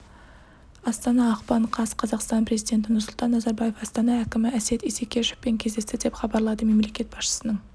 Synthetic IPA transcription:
ɑst̪ɑnɑːqpɑɴqʰɑsqʰɑzɑqst̪ɑnpʰɾe̞zijd̪ʲe̞nt̪̬ɪnʊɾsʊlˠt̪ɑnːɑzɑɾbɑje̞fɑst̪ɑnɑækʲɪmɪæse̞t̪isekʲʰeʃɪ̥fpe̞ŋkʲʰe̞zd̪e̞st̪ɪd̪e̞pχɑbɑɾlˠɑd̪əme̞mle̞kʲe̞t̪̚b̥ɑsʃə̥sənəɴ

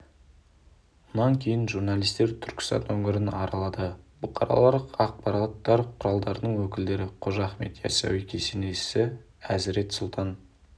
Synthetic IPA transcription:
mənɑŋkʲʰe̞jɪnʒuɾnɑlˠijst̪e̞ɾt̪ʰʏ̥ɾkʲɪ̥st̪ɑ̰nɵŋʲɪɾɪnɑɾɑlˠɑd̪əb̥ʊqʰɑɾɑ̰lˠɑɾəqɑq̚pɑɾɑt̪ːɑɾqʰʊɾɑlˠd̪ɑɾənəɴwɵkʲɪld̪e̞ɾɪqʰoʒɑχme̞̰t̪jæ̰sæ̰wikʲʰeseneʃsɪ | æzɪɾe̞t̪sʊlˠt̪ʰɑn

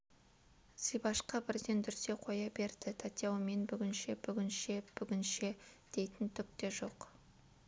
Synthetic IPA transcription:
sijbɑʃqɑbɪɾd̪e̞nd̪ʏɾse̞qʰo̞jɑbe̞ɾd̪̥aɪt̪ʰat̪jɑwme̞nbʏɡʲɪnʃe̞bʏɡʲɪnʃeb̥ʏɡʲɪnʃe̞d̪̥e̞jt̪ɪnt̪ʰʏk̚t̪e̞ʒo̞q

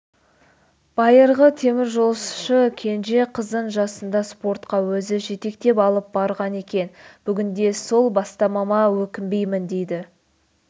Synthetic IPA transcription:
b̥ɑjəɾʁət̪ʰe̞mɪɾʒolˠsʃəkʲʰe̞nʒe̞qʰəzd̪əɴʒɑsənd̪ɑspo̞ɾt̪qɑwɵzɪʒe̞t̪e̞k̚t̪e̞pɑlˠəp̚bɑɾʁɑne̞kʲe̞nb̥ʏɡʲɪnd̪e̞so̞lˠbɑst̪ɑmɑmɑwɵkʲɪmbe̞jmɪnd̪e̞jd̪ɪ

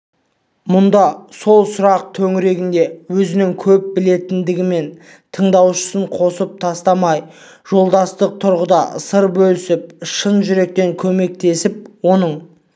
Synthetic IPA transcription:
mʊnd̪ɑso̞lˠsʊɾɑq̚t̪ʰɵŋɾe̞ɡʲɪnd̪e̞wɵzɪnɪŋkʲʰɵp̚bɪle̞t̪ɪnd̪ɪɡʲɪme̞n | t̪ʰəɴd̪ɑwʃə̥səɴqʰo̞səp̚t̪ʰɑst̪ɑmɑj | ʒ̥o̞lˠd̪ɑst̪əq̚t̪ʰʊɾʁəd̪ɑsəɾbɵlɪsɪp̚ʃənʒʏɾe̞k̚t̪e̞ŋkʲʰɵme̞k̚t̪e̞sɪp̚wo̞nəɴ

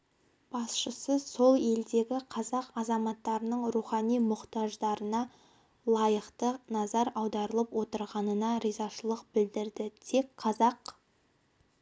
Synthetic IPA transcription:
b̥ɑsʃəsəso̞lˠe̞ld̪e̞ɡʲɪqʰɑzɑqɑzɑmɑt̪ːɑɾənəɴɾuχɑnijmʊqt̪ɑʒd̪ɑɾənɑ | lˠɑjəqt̪ənɑzɑɾɑwd̪ɑɾəlˠəpwo̞t̪əɾʁɑnənɑɾijzɑʃəlˠəqb̥ɪld̪ɪɾd̪ɪt̪ʰe̞kqʰɑzɑq

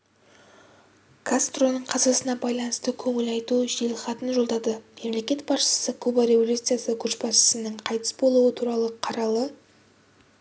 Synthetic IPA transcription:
kʰast̪ro̞nəɴqʰɑzɑsənɑbɑjlˠɑnəst̪əkʲʰɵŋɪlɑjt̪uʒelχɑt̪ənʒo̞lˠd̪ɑd̪əme̞mle̞kʲe̞t̪bɑsʃə̥səkʰubaɾe̞volʲut̪sɨjasəkʲʰɵɾʃbɑsʃə̥sənəɴqʰɑjt̪ə̥sbo̞lˠuət̪ʰuɾɑlˠəqʰɑɾɑlˠə

